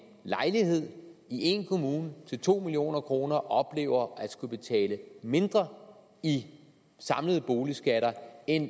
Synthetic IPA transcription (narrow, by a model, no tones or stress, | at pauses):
lɑ̈ɪliɦe̝ð̰ˠiʔe̝nkʰo̝muːnət͡sʰe̝lt͡sʰo̝̰ːmilio̝̰ːnɐkʰʁo̝ːnɐʔɒ̽b̥le̝̰ːʊɐæd̥sɡ̥ub̥e̝t͡sʰɛ̰ːləme̝nd̥ʁɐ | i | sɑ̈mləðˠb̥o̝ːlisɡ̥æɾɐen